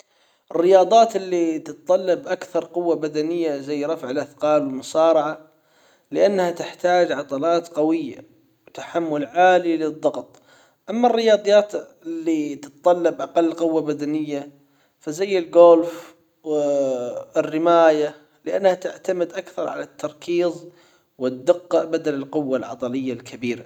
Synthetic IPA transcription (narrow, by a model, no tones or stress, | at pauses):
ʔɪrːɪjɑːd̪ˤɑːt̪ɪlːit̪ɨt̪t̪ˤːɑlːɑbʔakθɑɾˤqʊwːabad̪anɪjːazajːɾˤɑfʕɪlʔaθqɑːlwɪlmʊsɑːɾˤɑʕa | lɪʔanːhat̪ɪħt̪aːd͡ʒʕɑt̪ˤɑlɑːt̪qɑwɪjːa̰ | wt̪ḁħamːʊlʕaːlilɨðˤːɑɡt̪ˤ | ʔamːarːɪjɑːd̪ˤjɑːt̪ | ɪlːit̪ɨt̪t̪ˤɑlːɑbʔɑqɑlːqʊwːabad̪anɪjːa | fazajːɪlɡoːlf | ɪrːɪmaːja | lɪʔanːhat̪ɪʕt̪amɪd̪ʔakθɑɾˤʕa̰lat̪ʰːɑɾˤkʰiːzˤ | wɪd̪ːɪqːɑʔbad̪alɪlqʊwːalʕɑ̰d̪ˤɑlɪjːalkʰabiːɾa